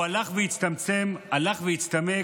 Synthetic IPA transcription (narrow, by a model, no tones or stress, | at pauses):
alaχvejit͡st̪amt͡se̞malaχvejit͡st̪ame